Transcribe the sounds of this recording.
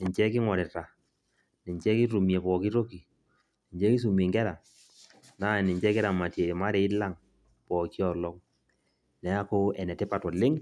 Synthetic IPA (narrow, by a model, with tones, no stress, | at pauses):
nɪ˨ɲt͡ʃɛ˦kɪ˦ŋɔ˨ɾɛ˨ta˨ | nɪ˨ɲt͡ʃɛ˦ki˦tu˨mje˨pɔ˨ki˦ɾo˦ki˨ | nɪ˨ɲd͡ʒɛ˦ki˦s̬u˨me˨ŋɡɛ˦ɾa˨ | na˦˨nɪ˨ɲt͡ʃɛ˦kɪ˦ɾa˨ma˨tje˨ma˦ɾɛ˨ɪ˦la˦˨ŋ | pɔ˨ki˦ɔ˨lɔ˦ŋ | nɛ˨˦a˦ko˦ɛ˨nɛ˨tɛ˦pa˨tɔ˨lɪ˦ŋ